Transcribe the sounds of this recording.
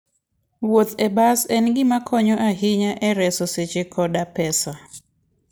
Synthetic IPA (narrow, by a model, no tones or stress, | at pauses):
wot̪ɛbasɛnɡɪmakʰɔɲɔʔaɦɪɲaʔɛɾɛsɔset͡ʃekʰɔdapɛsa